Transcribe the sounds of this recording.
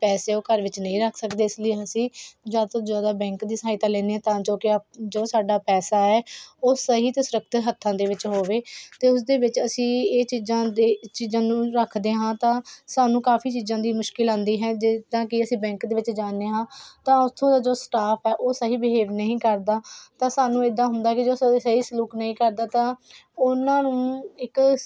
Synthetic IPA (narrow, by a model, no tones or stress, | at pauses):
pɛːseːoːkəɾʋɪt͡ʃnəĩːɾəkʰsəkd̪eːɪsləeəsĩːd͡ʒaːd̪t̪od͡ʒaːd̪aːbɛ̃ːŋkd̪iːsaːɪt̪aːlɛːneːɛ̃ːt̪ãːd͡ʒoːkɪd͡ʒoːsaːɖaːpɛːsaːɛːoːsəɦiːt̪eːsʊɾək̚t̪ʰɦət̪ʰːãːd̪eːʋɪt͡ʃɦoːʋeːt̪eːʊs̬d̪eːʋɪt͡ʃəsĩːeːt͡ʃiːzãːd̪eːt͡ʃiːzãːnũːɾəkʰd̪eːɦãːt̪ãːsaːnũːkaːpʰiːt͡ʃiːzãːd̪iːmʊʃkɪlãːnd̪iːɦɛːd͡ʒɪd̪ãːkɪəsĩːbɛ̃ːŋkd̪eːʋɪt͡ʃd͡ʒaːneːɦãːt̪ãːʊst̪ʰõːd̪aːd͡ʒoːsʈaːpʰɛːʔoːsəɦiːbɪɦeːʋnəɦĩːkəɾd̪aːt̪ãːsaːnũːeːd̪ːãːɦʊnd̪aːkɪd͡ʒoːssəɦiːsluːknəĩːkəɾd̪aːt̪ãːʊnãːnũːɪk